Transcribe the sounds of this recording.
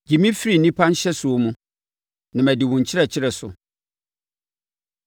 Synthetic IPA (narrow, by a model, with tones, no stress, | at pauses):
d͡ʑi˨mĩ˦fi˦ɾi˨nĩ˦pʰã˦n̩˦ɕɛ˦sʊ˨o˦mũ˨ | nã˨mæ˨dɪ˨wʊ̃˨ɲ̩˨t͡ɕʰɪ˦ɾɛ˨t͡ɕʰɪ˦ɾɛ˨sʊ̰˨